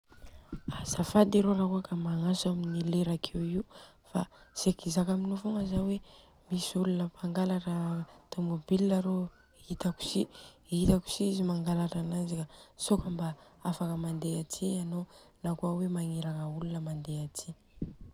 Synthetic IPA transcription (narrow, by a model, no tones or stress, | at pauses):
asafad̪iɾoɾakuakamaŋasaminileɾakʰeiu | fasekizakaminofuŋəzawe | misulunəpʰaŋɡalarat̪umubiliaɾo | it̪aku̥si | it̪aku̥sizimaŋɡalaranazikasokambaafakəmand̪eatʰiano | nakuawemaŋeɾaŋəulunəmand̪eatʰi